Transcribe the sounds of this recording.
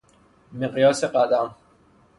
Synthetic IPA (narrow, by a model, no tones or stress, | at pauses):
meqjɒːseqad̪am